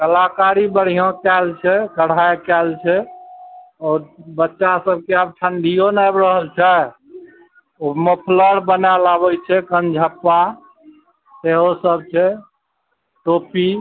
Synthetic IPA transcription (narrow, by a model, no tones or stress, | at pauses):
kəlakaɾibəɽ̤ijõkɛlt͡ʃʰɛkəɽ̤ajkɛlt͡ʃʰɛ | ɔːɾbətːʃasəb̚ʱkeabʈʰənɖ̪ʱijonajbɾəɦəlt͡ʃʰɛ | oməpʰləɽbənalabɛt͡ʃʰɛkənd͡ʒʱəpːa | t̪eɦosəb̚t͡ʃʰɛ | ʈopi